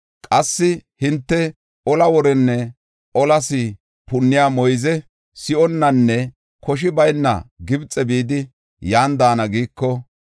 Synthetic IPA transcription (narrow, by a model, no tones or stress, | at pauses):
kʼɐsːɪhɪnt̪ːɛ | ɔlɐwɔɾɛnːɛ | ɔlɐsɪ | pʊnːɪjaːmɔjzɛ | sɪʔɔnːɐnːɛ | kʰɔʃ̬ɪbɐjnːɐ̰ɡɪbt͡sʼɛbiːd̪ɪ | jaːnd̪aːnɐɡiːkːɔ